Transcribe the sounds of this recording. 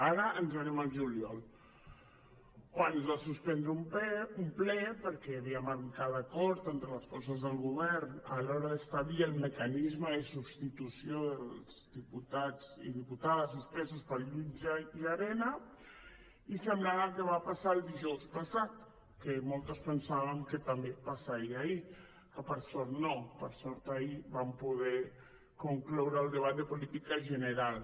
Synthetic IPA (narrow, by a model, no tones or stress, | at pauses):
aɾəʔənzəɾɛməlˠʒuljɔlˠ | kwanuzβasuspɛnd̪ɾəumpumplɛpəɾkɛβiəməɾkaðakɔɾt̪ent̪ɾələsfɔsəzðəlˠɣuβ̞ɛɾnəlɔɾəðəst̪aβliəlˠməkanizməəsubst̪it̪usiolzdiput̪ad͡zḭðiput̪aðəzispɛsuspəlʎunʒaiaɾɛna | isəmblaβəkeβapasaːlˠd̪iʒɔwspasat̪ | kemɔlˠt̪əspənsaβəŋket̪ambepasaɾiai | kəpəɾsɔɾt̪nopəɾsɔɾt̪aiβampuðɛ | kuŋklɔwɾəːlˠd̪əβ̞at̪̚d̪əpulit̪ikaʒəneɾalˠ